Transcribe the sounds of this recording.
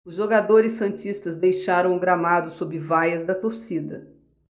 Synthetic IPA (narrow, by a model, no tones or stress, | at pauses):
ʊzʒoɡad̪oɾɪsːɐ̃nt͡ʃist̪ɐzd̪ejʃaɾɐ̃w̃ũɡɾamad̪ʊsobɾɪvajɐzd̪ɐt̪oɾsid̪ɐ